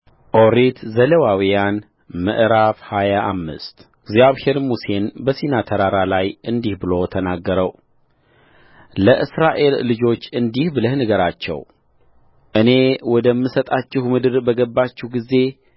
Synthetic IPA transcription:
ʔoɾit̪ʰzələwawijan | mə̰ʔɾafhajaʔa̰mːɨ̰st̪ɪɡzaβhe̞ɾmuse̞nbəsinat̪ʰəɾaɾalajɨnd̪ihbɨlo̞t̪ʰənaɡːəɾəw | ləʔɨsɾaʔe̞lːɨd͡ʒo̞t͡ʃːɨnd̪ihbɨləhnəɡəɾat͡ʃːɛ̰w | ʔɨne̞wɔd̪əmːɨsət̪ʼat͡ʃːɪhmɨd̪ɨɾbəɡəbːat͡ʃːɪhɡize̞

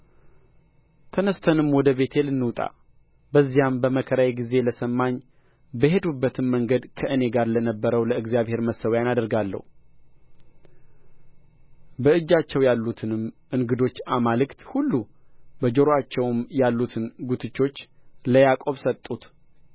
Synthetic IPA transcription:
t̪ʰənəst̪ʰənɨmwɔd̪əβe̞t̪ʰelɨnːɨwt̪ʼa̰ | bəzːijambəməkʰəɾajeɡize̞ləsəmːaɲ | bəɦe̞d̪ubːət̪ʰɨnməŋɡəd̪kʰəʔɨne̞ɡaɾlənəbːəɾəwləɨɡzijaβhe̞ɾməsːəwjanad̪əɾɡalːə̰hu | bəɨd͡ʒːat͡ʃːɛwjalːut̪ʰɨnɨmʔɨŋɡɨd̪o̞t͡ʃːamalɨkt̪hulːu | bəd͡ʒoɾoat͡ʃːɛwmjalːut̪ʰɨnɡut̪ʰɨt͡ʃːo̞t͡ʃːləjakʼo̞βsət̪ʼːut̪

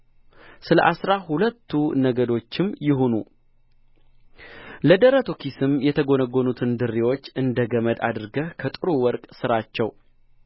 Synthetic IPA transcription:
sɨlə̰ʔasɾahulət̪ʰːunəɡəd̪o̞t͡ʃːɪmjɪɦonṵ | ləd̪əɾət̪ʰokʰisɨmjɛt̪ʰəɡonəɡonut̪ʰɨnd̪ɨrːiwot͡ʃːɨnd̪əɡəməd̪a̰d̪ɨɾɡəhkʰət̪ʼɨɾuwɔɾkʼsɨɾat͡ʃːɛw

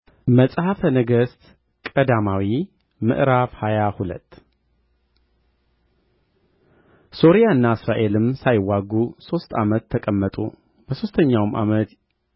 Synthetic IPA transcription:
məsʼhafənəɡəst̪ | kʼəd̪amawi | mɨ̰ʔɾafhajahulə̰t̪ː | so̞ɾijaɨnːaɨsɾaʔe̞lɨmsajɪwːaɡuso̞st̪ʰamət̪ʰːəkʼəmːət̪ʼṵ | b̥əso̞st̪ʰəɲːawmʔa̰mət̪

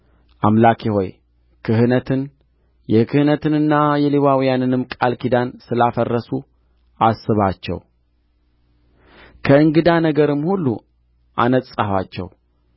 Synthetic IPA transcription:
ʔamlakʰeho̞j | kʰɨɦɨnət̪ʰɨn | jɛkʰɨhɨnət̪ʰɨnɨnːajɛlewawjanɨnɨmkʼalkʰid̪ansɨlafərːəsu | asːɨβat͡ʃːɛ̰w | kʰəɨŋɡɨd̪anəɡəɾɨmhulːṵ | ʔa̰nət̪ʼːaha̰t͡ʃːɛ̰w

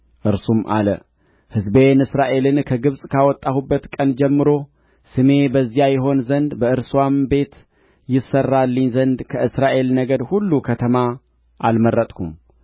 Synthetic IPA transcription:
ʔɨɾsumʔa̰lə̰ | hɨzbe̞nɨsɾaʔe̞lɨnkʰəɡɨβsʼkʰawɔt̪ʼːahubːət̪kʼənd͡ʒɛmːɨɾo̞ | sɨme̞bəzːijajɛɦo̞nzənd̪bəɨɾswambe̞t̪ | jɪsːərːalːəɲːzənd̪kʰəʔɨsɾaʔe̞lnəɡəd̪hulːukʰət̪ʰəma | ʔalməɾːət̪ʼkʰum

